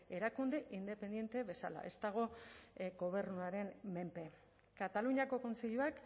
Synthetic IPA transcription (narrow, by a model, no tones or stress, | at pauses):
e̞ɾakund̪eʔind̪e̞pe̞nd̪je̞nt̪eβe̞sa̰la̰ʔe̞̰st̪aɣ̞o̞ɡo̞β̞e̞ɾnuaɾe̞nme̞mpe̞ | kat̪aluɲako̞ko̞nseʎuak